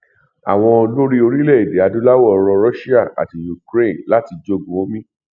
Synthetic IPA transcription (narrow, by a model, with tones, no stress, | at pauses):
a̰˨w̃ɔ̃˧lo˦ɾi˦o˧ɾi˦lɛ˦˨i˨de˨˦a˧dũ˨˦la˦wɔ˦˨˧ɾɔ̃˧ɾɔ˦ʃi˦a˦˨ʔa̰˨ti˨ju˨kɾe˦˨nla˨˦ti˧d͡ʒo˦˨ɡũ˨˦o˦mĩ˦